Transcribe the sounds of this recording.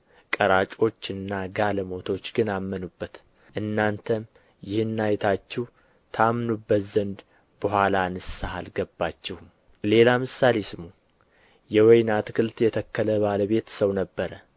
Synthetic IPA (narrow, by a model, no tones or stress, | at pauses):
kʼəɾat͡ʃʼo̞t͡ʃːɨnːaɡaləmo̞t̪ʰo̞t͡ʃːɡɨnamːənubːət̪ | ʔɨnːant̪ʰəm | jɪhɨnːajt̪ʰat͡ʃːɛw | t̪ʰamnubːət̪zənd̪ | b̥əɦʷalanɨssahalɡəbːat͡ʃːɛhum | le̞lamɨsale̞sɨmu | jɛwɔjnat̪ʰɨkʰɨlt̪jɛt̪ʰəkːələβaləβe̞t̪səwnəbːəɾə